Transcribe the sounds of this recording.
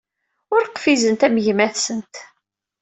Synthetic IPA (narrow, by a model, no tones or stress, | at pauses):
ʊɾqfizənt̪æmʝmæθsənt̪